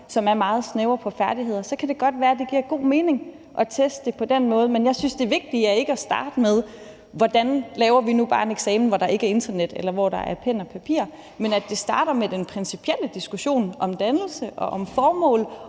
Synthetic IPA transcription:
sɒ̽mæɐmɑ̈ːð̞̩ˠsneʊɐpʰɒ̽fæɐd̥iɦe̝ð̞̰ˠɐsɒ̽kʰæd̥e̝ɡ̥ɒ̽d̥ʋæːɐd̥e̝ɡ̥iɐɡ̥o̝̰ːme̝ːne̝ŋ | ʔɒ̽t͡sʰesd̥əd̥e̝pʰɒ̽d̥en̰mɔ̽ːð̞̩ˠmenjɑ̈ɪsynsd̥e̝ʋe̝ɡ̥̚d̥iæɐe̝ɡ̥əæsd̥ɑ̰̈ːd̥əmeð̞ˠ | ʋɒd̥ænlɛːʊɐʋinub̥ɑ̈ːe̝neɡ̥sɛːmn̩ʋɒɾ̥ɑ̈e̝ɡ̥əæɐe̝nd̥ɐned̥elɐʋɒɾ̥ɑ̈ʔæɐpʰen̰ɒpʰæpʰḭːɐ | menæd̥e̝sd̥ɑ̈ːɾ̥ɐmed̥enpʰʁɛnsi̥pʰiel̰əd̥isɡ̥uɕo̝̰ːnʔɒ̽md̥ænl̩səʔɒ̽ʔɒmfɒːmɔ̰̽ːl

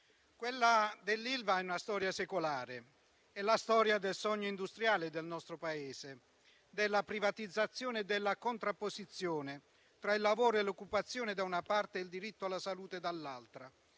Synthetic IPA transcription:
kwelːad̪elːilvaɛunast̪ɔːɾjasɛkolaːɾe | ɛlast̪ɔːɾjad̪elsɔɲːoind̪ust̪ɾjaːlɪd̪elnɔst̪ɾopaɛːse | d̪elːapɾivat̪id̪zːat̪sːjɔːnɪd̪ɪlːakont̪ɾapːosit̪sːjɔːnɪ | t̪ɾailːavoːɾoelokːupat̪sːjɔːnɪd̪aunapart̪eild̪iɾit̪ːoalːasaluːt̪ed̪alːalt̪ɾa

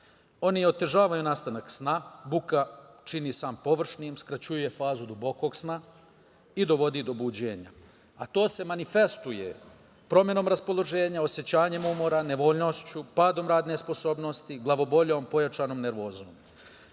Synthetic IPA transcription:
o̞nio̞t̪e̞ʒaːʋajunaːst̪anaksnabukat͡ʃinisaːmpo̞ʋr̩ʃnimskɾat͡ɕujuje̞faːzud̪ubo̞ko̞ɡsna | id̪o̞ʋo̞d̪id̪o̞bud͡ʑe̞ːɲa̰ | a̰t̪o̞ːse̞manife̞st̪uje̞̰ | pɾo̞mje̞no̞ːmɾaspo̞lˠo̞ʒe̞ːɲao̞sje̞t͡ɕaːɲe̞mumo̞ɾane̞ʋo̞ːʎno̞st͡ɕupaːd̪o̞mɾaːd̪ne̞spo̞so̞ːbno̞st̪iɡlˠaʋo̞bo̞ʎo̞ːmpo̞jat͡ʃaːno̞mne̞ɾʋo̞ːzom

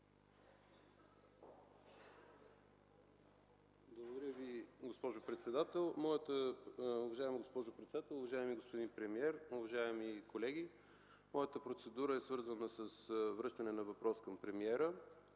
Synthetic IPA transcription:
blˠovod̪ɐɾʲəviɡospɔʒʊpɾɛt̪sɛd̪at̪ɛlˠmɔjət̪əʊvɐʒaɛmɡospɔʒʊpɾɛt̪sɛd̪at̪ɛlˠʊvɐʒaɛmiɡospod̪inpɾɛmiɛɾʊvɐʒaɛmikolɛɡʲi | mɔjət̪əpɾot̪sɛd̪uɾəɛsvɤɾzənəsəsvɾɤʃt̪ənɛnɐvɐpɾɔskɐmpɾɛmiɛɾə

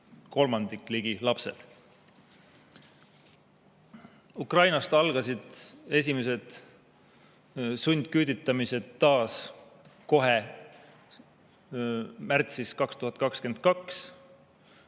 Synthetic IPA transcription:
ko̞lmɑnd̪̥ikˑliɡ̥ilɑpse̞̰d̪̥ | ukrɑjnɑst̪ɑlɡ̥ɑsid̪̥e̞s̬ʲimes̬e̞d̪̥ | sunʲd̪̥kyːd̪̥it̪ːˑɑmise̞d̪ːɑːs | ko̞ɦe̞ | mært̪siskɑkst̪uhɑt̪̚ːˑkɑkske̞nt̪̚kɑks

